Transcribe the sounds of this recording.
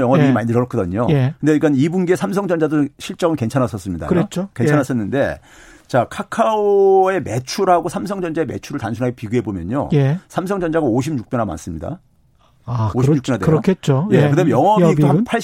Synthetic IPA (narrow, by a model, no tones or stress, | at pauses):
jʌŋʌbiimaɲidɯɾʌɾʌk͈ʌdʌɲoekɯndeik͈anibunɡesʰamsʰʌŋd͡ʑʌnd͡ʑadoɕʰiɭt͡ɕ͈ʌɡɯnke̞nt͡ɕʰanas͈ʌs͈ɯmɲida̰ɾet͡ɕokent͡ɕʰanas͈ʌnːɯnde̞̰ | t͡ɕakʰakʰaoe̞me̞t͡ɕʰuɾɦaɡosʰams̬ʰʌŋd͡ʑʌnd͡ʑaeme̞̰t͡ɕʰuɾɯɭtansʰunɦaɡepiɡuɦe̞bomjʌ̰ɲo̰jsʰamsʰʌŋd͡ʑʌnd͡ʑaɡaoɕ̬ʰibɲuk̚p͈jʌnɦama̰ns͈ɯmɲida̰ | oɕʰimɲukjʌnadeokʰet͡ɕ͈oje̞kɯdamemjʌŋʌbipʰaɭ